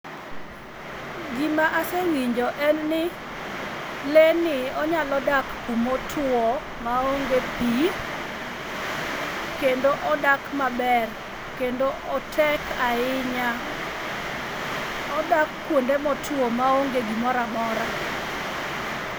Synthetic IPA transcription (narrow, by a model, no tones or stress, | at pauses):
ɡimaʔasewiɲd͡ʒɔʔɛnnɪ | lenɪɔɲalɔdak | umotʰwo | maoŋɡepi | kendoʔɔdakmabɛr | kendoʔɔtʰɛkaɪɲa | ɔdakːwondemɔtʰwomaoŋɡeɡimɔɾamɔɾa